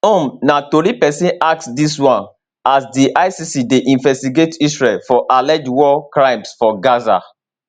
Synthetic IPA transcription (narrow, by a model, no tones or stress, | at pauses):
õmnatoɾipɛsĩnak̚sdiswãn | asdiʔaɪsisideʔĩnvɛstiɡetisɹelfɔʔalɛd͡ʒwɔkɹãɪ̃msfɔɡaza̰